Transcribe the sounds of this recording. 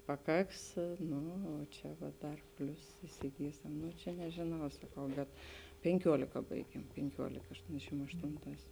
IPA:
pɐˈkɐks ˈnʊ oː ˈt͡ʃʲɛ ʋɐ ˈdɐr ˈpʲlʲʊs ɪsʲɪˈɡʲiːsʲɛm ˈnʊ t͡ʃʲɛ nʲɛʒʲeːˈnɐʊ sɐˈkɐʊ bʲɛt pʲɛŋʲˈkʲuɔlʲɪkɐ ˈbɐɪɡʲiɛm pʲɛŋʲˈkʲuɔlʲɪkɐ ɐʃˈtoːnʲdʲɛʃʲɪm ɐʃˈtoːnˌtɑːs

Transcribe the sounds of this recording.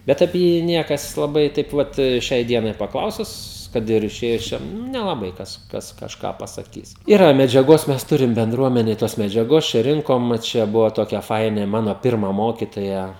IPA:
ˈbʲɛt ɐpʲiɛ ˈjiː ˈnʲiɛkɐs lˠɐˈbɐɪ tɐɪp ˈʋɐt ˈʃʲɛɪ ˈdʲiɛnɐɪ pɐˈklˠɐʊsʊs ˈkɐt ɪr ɪˈʃʲeːjʊs ˈt͡ʃʲɛ nʊ nʲɛlˠɐˈbɐɪ ˈkɐs ˈkɐs kɐʃˈkɑː pɐsɐˈkʲiːs ˈiːrɐ mʲɛd͡ʒʲɛˈɡoːs ˈmʲɛs ˈtʊrʲɪm bʲɛnˈdruɔmʲɛnʲeːj toːs mʲɛd͡ʒʲɛˈɡoːs t͡ʃʲɛ ˈrʲɪŋkoːm ˈt͡ʃʲɛ ˈbʊʋoː ˈtoːkʲɛ ˈfɐɪnʲeː ˈmɑːnoː ˈpʲɪrmɐ ˈmoːkʲɪtoːjɛ

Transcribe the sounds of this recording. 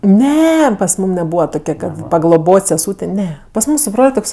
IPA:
ˈnʲɛ pɐs ˈmuːm nʲɛˈbuːʋɐ ˈtoːkʲɛ pɐɡlˠoːˈboːtʲ sʲɛˈsuːtʲeː ˈnʲɛ pɐs ˈmuːm sʊ ˈbroːlʲ ˈtoːks

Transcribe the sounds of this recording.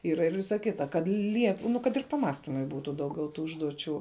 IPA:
ˈiːrɐ ɪr ˈʋʲɪsɐ ˈkʲɪtɐ kɐt ˈlʲiɛk nʊ kɐt ɪr pɐˈmɑːsʲtʲɪmʊɪ ˈbuːtʊ ˈdɐʊɡʲɛʊ ˈtuː ˈʊʒduɔt͡ʃʲuː

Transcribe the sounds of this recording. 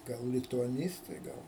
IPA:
ˈɡɐlˠ lʲɪtʊɐˈnʲiːstɐɪ ˈɡɐlˠ

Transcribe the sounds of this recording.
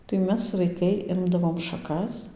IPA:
tɐɪ ˈmʲɛs ʋɐɪˈkɐɪ ˈɪmdɐʋoːm ʃɐˈkɐs

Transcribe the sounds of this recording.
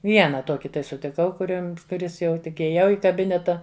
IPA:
ˈʋʲiɛnɐ ˈtoːkʲɪ tɐɪ sʊtʲɪˈkɐʊ kʊˈrʲɪms kʊˈrʲɪs jɛʊ tʲɪk ɪjeːˈjɛʊ ɪ kɐˈbʲɪnʲɛtɐ

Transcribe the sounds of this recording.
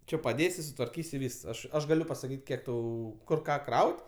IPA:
ˈt͡ʃʲɪ pɐˈdʲeːsʲɪ sʊtʋɐrʲˈkʲiːsʲ ɪ ˈʋʲiːs ˈɐʃ ˈɐʃ ɡɐˈlʲʊ pɐsɐˈkʲiːtʲ ˈkʲiɛk ˈtɐʊ ˈkʊr ˈkɑː ˈkrɐʊtʲ

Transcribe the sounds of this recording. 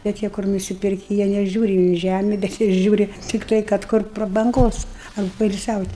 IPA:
bʲɛt ˈjiɛ kʊr nʊsʲɪˈpʲɪrʲkʲɪ jiɛ nʲɛˈʒʲuːrʲɪ iː ˈʒʲæmʲɪ bʲɛt ˈjiɛ ˈʒʲuːrʲɪ tʲɪkˈtɐɪ kɐt ˈkʊr prɐbɐŋˈɡoːs ɐr poːɪlʲsʲɛʊtʲ

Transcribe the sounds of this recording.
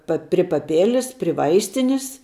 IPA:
ˈpɐ pʲrʲɪ pɐˈpʲeːlʲɪs pʲrʲɪ ˈʋɐɪsʲtʲɪnʲɪs

